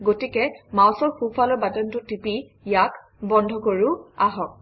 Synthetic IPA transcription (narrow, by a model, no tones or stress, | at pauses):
ɡotikɛmawsɔɹxupʰalɔbatɔntʊtipi | jak | bɔndʱɔkoɹʊaɦɔk̚